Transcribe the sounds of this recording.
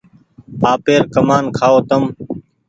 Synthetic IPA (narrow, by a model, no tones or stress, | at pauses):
aːpeːɾkəmaːnkʰaːoːt̪əm